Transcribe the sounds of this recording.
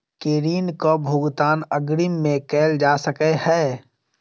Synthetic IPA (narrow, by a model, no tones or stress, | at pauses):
keːɾiːnkobʱuɡt̪aːnəɡɾimːẽkɛːld͡ʒaːsəkehɛː